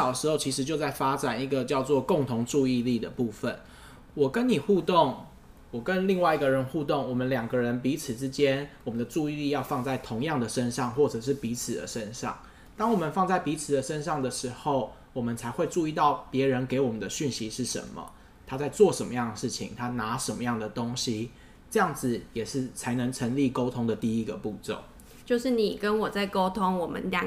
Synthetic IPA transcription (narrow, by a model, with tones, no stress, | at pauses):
ɑ˨˩ʊə˩ʂɻ̩˧˥xo˥˩t͡ɕʰi˧˥ʂ̬ɻ̩˧˥t͡ɕjo˥˧ʊt͡sa˥˩ɪfa˥ʈ͡ʂa˨˩ni˧˥ɡə˨t͡ɕjɑ˥˧ʊt͡swɔ˥˧ko˥˩ŋt̪ʰʊ˧˥ŋʈ͡ʂu˥˧i˥˧li˥˩d̪ə̰˩pu˥˩fə˩n | wɔ˨˩kə˦ni˨˩xu˥˧t̪o˥˨˩ŋ | wɔ˨˩kə˦nli˥˧ŋwa˥˩ɪi˧ɡə˨ɻə˧˦nxu˥˧t̪o˥˩ŋwɔ˨˩mə˦nljɑ˨˩ŋɡə˦ɻə˧˦npi˧˥t͡sʰɹ̩˨˩ʈ͡ʂɻ̩˦t͡ɕjɛ˥nwɔ˨˩mə˦nd̪ə˨ʈ͡ʂu˥˧i˥˧li˥˧jɑ˥˧ʊfɑ˥˧ŋt͡sa˥˩ɪt̪ʰʊ˧˥ŋjɑ˥˩ŋd̪ə˩ʂə˥nʂɑ˥˧ŋxwɔ˥˩ʈ͡ʂɤ˨˩ʂ̬ɻ̩˥˩pi˧˥t͡s̩ʰ˨˩d̪ə̰˦ʂə˦˥nʂɑ̰˥˨˩ŋ | t̪ɑ˥ŋwɔ˨˩mə˨nfɑ˥˧ŋt͡sa˥˩ɪpi˧˥t͡sʰɹ̩˨˩d̪ə˨ʂə˦˥nʂɑ˥˩ŋd̪ə˩ʂɻ̩˧˥xo˥˩ʊ | wɔ˨˩mə˦nt͡sʰa˧˥ɪxwe˥˧ɪʈ͡ʂu˥˧i˥˧t̪ɑ˥˩ʊpjɛ˨˥ɻə˧˥nke˧˥ɪwɔ˨˩mə˦nd̪ə˦ɕy˥˩nɕi˧˥ʂɻ̩˥˩ʂə̰˧˦nmə̰˨ | t̪ʰa˥t͡sa˥˧ɪt͡swɔ˥˨˩ʂə˧˦nmə˦jɑ˥˩ŋd̪ə˩ʂɻ̩˥˩t͡ɕʰḭ˨˦ŋt̪ʰa˥na˧˥ʂə˧˥nmə˦jɑ˥˩ŋd̪ə˩t̪o˥ŋɕi˦ | ʈ͡ʂɤ˥˧jɑ˥˩ŋd͡zɹ̩˨jɛ˨˩ʂɻ̩˥˩t͡sʰa˧˥ɪnə˧˥ŋʈ͡ʂʰə˧˥ŋli˥˨ko˥ʊt̪ʰʊ˥ŋd̪ə˨t̪i˥˧i˥ɡə˨pu˥˧t͡so̰˥˨˩ŋ | t͡ɕjo˥˧ʊʂɻ̩˥˩ni˨˩kə˦nwɔ˨˩t͡sa˥˩ɪko˥ʊt̪ʰo˥˦ŋwɔ˨˩mə̰˦nlja˨˩